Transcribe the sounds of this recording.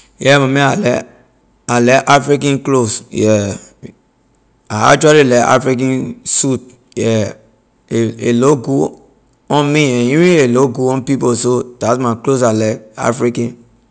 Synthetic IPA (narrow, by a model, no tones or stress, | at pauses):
jɛmamɛ̃alɛ | alɛkʔafɾikãnklosjɛ | aa̰t͡ʃualilɛka̰fɾik̬ãnsut̚ | jɛ | eḛloɡu | ɔ̃nmiɛ̃niɾĩeloɡuɔ̃npiposod̥asmaklos̬alaka̰fɾikãn